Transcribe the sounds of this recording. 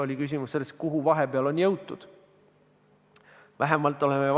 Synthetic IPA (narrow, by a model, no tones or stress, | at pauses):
o̞lʲikys̬ʲimusselːes̚kuɦuvɑɦe̞peɑlo̞njɤwt̪ːˑud̪̥ | væɦemɑlt̪ːˑo̞leme